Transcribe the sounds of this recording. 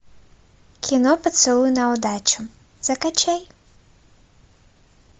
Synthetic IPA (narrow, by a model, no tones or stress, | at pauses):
kʲʰinɔpɐt̪sɨlˠujɛnɐwd̪at͡ʃu | z̥ɐkat͡ʃɛj